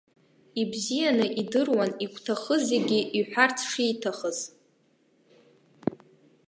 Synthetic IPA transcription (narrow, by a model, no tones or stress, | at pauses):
ibzijanɨʔidɨrwanikʷʰʼtʰaχəzeɡʲiʔiħʷᶣart͡sʰʂitʰaχəz̥